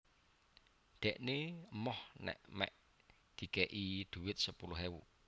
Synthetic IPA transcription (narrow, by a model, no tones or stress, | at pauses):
d̪̥ɛ̤ʔneəmɔhnɛ̰ʔmɛ̰ʔ | d̪̥i̤kɛʔid̪̥ṳwɪt̪̚səpulʊɦewṵ